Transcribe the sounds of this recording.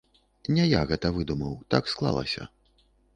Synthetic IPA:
nʲɛjaɣɛt̪ɐvɨd̪umɐwt̪aksklˠa̰lˠɐ̰sʲɐ̰

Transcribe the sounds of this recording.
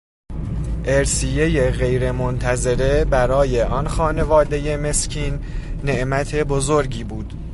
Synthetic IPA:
ʔeɾsije̞je̞ɣe̞jɾe̞mont̪ʰæze̞ɾe̞bæɾɒːje̞ʔɒnxɒːne̞vɒːd̪e̞je̞me̞scʰiːnːe̞ʔmæt̪ʰe̞bo̞zoɾɟiːbuːd̪̥

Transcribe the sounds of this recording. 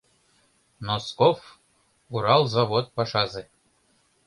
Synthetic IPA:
noskof | uɾɑlˠzaβot̪̚pɑʃɑzɘ̆

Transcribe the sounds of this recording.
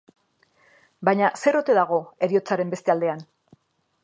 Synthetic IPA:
bajɲase̞ɾo̞t̪e̞ðaɣ̞o̞e̞ɾio̞t͡saɾe̞mbe̞st̪eald̪e̞an

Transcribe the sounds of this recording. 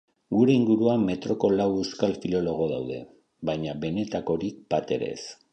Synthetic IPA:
ɡuɾe̞iŋɡuɾuame̞t̪ɾo̞ko̞lawewskalfilo̞lo̞ɣ̞o̞ðawðe̞̰ | βajɲaβe̞ne̞t̪ako̞ɾipat̪e̞̰ɾe̞̰s

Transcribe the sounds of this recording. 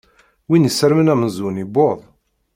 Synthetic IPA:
winəsəɾmənæməzuniboðˤ

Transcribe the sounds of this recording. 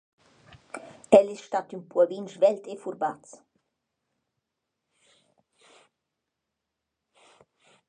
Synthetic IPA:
ɛlisʃt̪at̪ynpuɔvinʃvɛlt̪efuɾbat͡s

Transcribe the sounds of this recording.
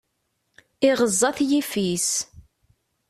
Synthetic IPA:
ɪʁəzˤːɑθjifis

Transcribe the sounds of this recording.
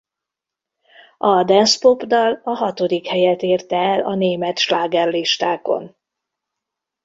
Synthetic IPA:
ʔɒd̪ɛnspopd̪ɒlɒɦɒt̪o̞d̪ikhɛjɛt̪eːrt̪ɛːlɒneːmɛt̪ʃlaːɡɛrliʃt̪aːko̞̰n

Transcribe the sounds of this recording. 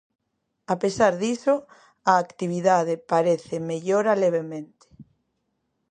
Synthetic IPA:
apesaɾðisʊ | aːkt̪iβiðaðepaɾeθemeʎoɾaleβ̞emẽnt̪e̥

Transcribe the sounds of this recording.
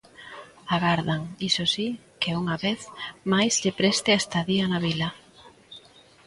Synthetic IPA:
aɣaɾðaŋisosikeuŋaβeθmajzʎepɾɛst̪ɪest̪aðiɐnaβilɐ

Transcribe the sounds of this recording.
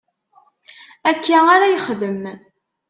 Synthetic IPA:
ækʰːæaɾæjəχðəm

